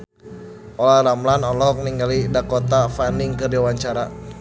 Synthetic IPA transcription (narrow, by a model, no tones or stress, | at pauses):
ʔɔlaɾamlanɔlɔk̚niŋɡalidakot̪afaniŋkərdiawaɲt͡ʃaɾa